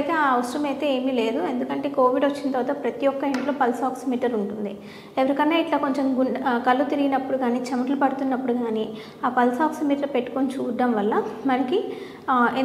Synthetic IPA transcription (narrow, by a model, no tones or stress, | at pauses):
jt̪eːaːɐʋɐsɾɐmɐjt̪e̞ːeːmiːle̞ːd̪ue̞nd̪ukɐɳʈe̞ːko̞ːʋiɖʋot͡ʃːinɐt̪ɐɾʋat̪ɐpɾɐt̪ijɔkːɐeɳʈlo̞ːpɐlsaːksmiːʈɐɾuɳʈund̪i | eʋɐɾikɐnːeːiʈlaːko̞ɲt͡ʃemɡukɐlːut̪iɾiɡinɐpːuɽuɡaːniːt͡ʃɐmɐʈlupɐɽut̪unːɐpːuɽuɡaːniː | aːpɐlsaːksmiːʈɐɾpe̞ʈːu̥kont͡ʃuːɖ̪ːɐmʋɐlːɐmɐnɐki | e